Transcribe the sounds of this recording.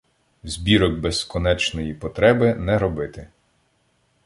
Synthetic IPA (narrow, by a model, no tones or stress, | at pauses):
zʲbʲiɾɔɡ̚beskɔnɛt͡ʃnɔjipɔt̪ɾɛbɪnɛɾɔbɪt̪ɪ